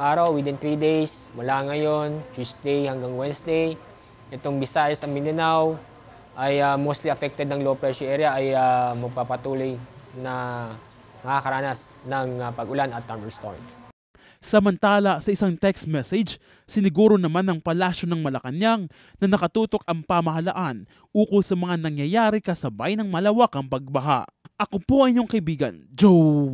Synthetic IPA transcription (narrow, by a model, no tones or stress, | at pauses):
ʔaːɾɐwwɪd̪ɪnt̪ɾid̪ejs | mɐlaŋɐjont͡ʃusd̪ejhɐŋɡaŋwɛnsd̪ej | ʔɛt̪oŋbɪsaːjɐsɐŋmɪnɪnaw | ʔɐjamost̪liɐfɛk̚t̪ɛd̪̚nɐŋlopɾɛʃoʔɛɾjɐʔːjamɐɡ̚papɐt̪uːlojnɐ | mɐkakɐɾaːnɐsnɐŋapɐɡʊlanɐt̪ːaɾmst̪oɾa̰n | sɐmɐnt̪aːlɐsɐʔɪsaŋt̪ɛkst̪mɛsɛd͡ʒ | sɪnɪɡuːɾo̞nɐmanɐŋpɐlaːʃonɐŋmɐlɐkɐnjaŋ | nɐnɐkɐt̪uːt̪o̞kɐŋpamɐɦɐlɐʔan | ʔuːkolsɐmɐŋanɐŋjɐjaːɾɪkɐsɐbajnɐŋmɐlɐwakɐŋpɐɡ̚bɐɦa̰ʔʔɐkopo̞ʔɐɪɲoŋkɐʔɪbiːɡɐ̰nd͡ʒo